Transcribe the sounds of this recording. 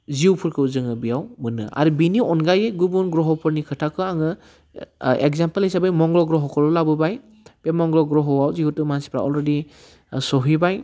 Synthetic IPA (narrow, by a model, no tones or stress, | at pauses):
ziupʰuɾkʰɯuzɯŋɯbijawmɯnɯ̰a̰ɾubiniɔnɡajeɡubunɡɾɔɦɔwpʰɯɾnikʰɯtʰakʰɯaŋɯ | ḛkzampelijsabɯjmɔŋɡlɔɡɾɔɦɔkʰɔɾɔlabɯbaj | pemɔŋɡlɔɡɾɔɦɔwawziutumansi̥pʰɾa̰ɔlɾedi | sɔɦibaj